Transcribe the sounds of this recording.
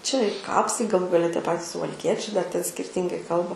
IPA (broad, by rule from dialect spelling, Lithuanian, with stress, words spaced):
t͡ʃʲɛ ɪ ˈkɑːpsɐɪ ɡɐˈlˠuː ɡɐˈlʲɛ tʲiɛ ˈpɑːtʲɪs sʊʋɐlʲˈkʲiɛt͡ʃʲɛɪ dɐr tʲɛn sʲkʲɪrʲˈtʲɪŋɡɐɪ ˈkɐlˠbɐ